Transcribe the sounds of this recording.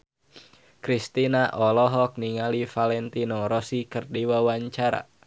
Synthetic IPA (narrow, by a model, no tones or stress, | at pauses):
kɾist̪inaʔɔlɔɦɔk̚niŋalifalɛnt̪inɔɾɔsikɨrdiwawaɲt͡ʃaɾa̰